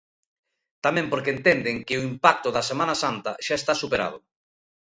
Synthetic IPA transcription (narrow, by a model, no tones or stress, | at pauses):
t̪amẽmpoɾkent̪end̪eŋkɪʊimpak̚t̪ʊðɐsemanasant̪ɐ̰ʃaest̪asupeɾa̰ð̞ʊ